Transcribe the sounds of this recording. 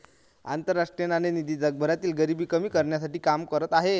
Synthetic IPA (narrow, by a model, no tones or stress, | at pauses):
a̰nt̪əɾːaʂʈɾijənanenid̪iːd͡zəɡ̚bʱəɾat̪iːlɡəɾibiːkəmiːkəɾɳjasaʈiːkamkəɾət̪aɦe